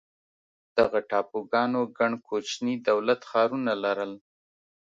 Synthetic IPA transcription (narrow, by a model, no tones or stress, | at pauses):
d̪̥aɣaʈɑpoɡɑnoɡaɳkʰot͡ʃnid̪awlat̪xɑɾunalaɾəl